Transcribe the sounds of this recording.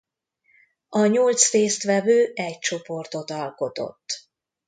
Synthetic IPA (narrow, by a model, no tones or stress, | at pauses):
ɒɲolt̪sreːst̪ʋɛvøːɛc̚t͡ʃo̞po̞rt̪o̞t̪ɒlko̞t̪o̞̰t̪ː